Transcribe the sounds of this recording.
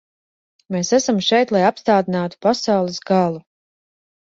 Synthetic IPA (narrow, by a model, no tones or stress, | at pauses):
meːsæsamʃɛjt̪lˠajapst̪aːd̪inaːt̪u̥pasawlˠisɡalˠu